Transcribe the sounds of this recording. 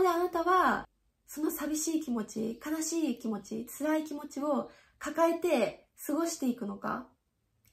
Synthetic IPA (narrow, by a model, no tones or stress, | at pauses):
od̪eanat̪aβa | so̞no̞sabʲiɕiːkʲimo̞t͡ɕḭkanaɕiːkʲimo̞t͡ɕḭt͡sɨɾaikʲimo̞t͡ɕio̞ | kakae̞t̪e̞ | sɨɡo̞ɕi̥t̪e̞ikɯ̟no̞ka̰